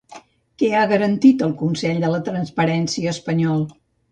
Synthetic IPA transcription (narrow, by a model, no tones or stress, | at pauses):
kɛaɣəɾənt̪it̪əlˠkunsɛʎd̪ələt̪ɾənspəɾɛnsiəːspəɲɔlˠ